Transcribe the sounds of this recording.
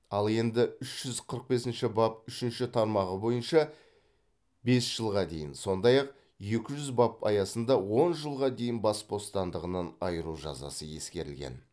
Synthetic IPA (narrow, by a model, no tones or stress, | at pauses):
ɑlˠe̞nd̪ɪʏʃʒ̥ʏzqʰəɾəq̚be̞sɪnʃɪbɑpʏʃɪnʃɪt̪ʰɑɾmɑʁəbo̞jənʃɑ | be̞sʒ̥əlˠʁɑd̪e̞̰jɪnso̞nd̪ɑjɑq | je̞kʲɪʒʏzbɑpɑ̰jɑsənd̪ɑwo̞nʒəlˠʁɑd̪e̞jɪnbɑsbo̞st̪ɑnd̪əʁənənɑjəɾuʒɑ̰zɑ̰səje̞skʲe̞ɾɪlɡʲe̞̰n